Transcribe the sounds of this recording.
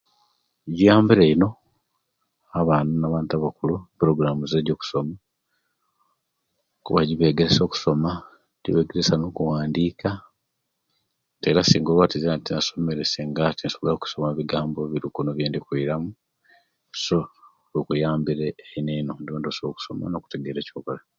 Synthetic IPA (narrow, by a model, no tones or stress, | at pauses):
ɟijaːmbiɾeino̞ | aβaːnunaβaːntaβakulupɾo̞ɡɾamuzeːɟoːku̥so̞ma | kuβaɟiβe̞ːɡeɾeso̞ːku̥so̞ma | ɟiβe̞ːɡeɾesanoːkuwaːndiːka | te̞ːɾasiːŋɡoβatiziatinaso̞me̞ɾe̞se̞ŋɡatinsollaku̥so̞maβiɡaːmbo̞βiɾukunoβjeːndikwiːɾamu | so̞ | βikujaːmbiɾeːineno̞ndioːndoso̞ku̥so̞ma̰no̞ku̥te̞ɡe̞ɾe̞cokola